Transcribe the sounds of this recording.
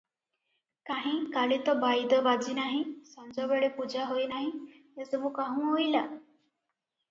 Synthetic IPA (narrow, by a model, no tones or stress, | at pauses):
kaɦĩkalit̪ɔbajd̪əʋad͡ʑiːnaɦĩsãnd͡zɔʋeɭepud͡ʑaɦojnaɦĩ | jəsəmũkaɦũːɦoila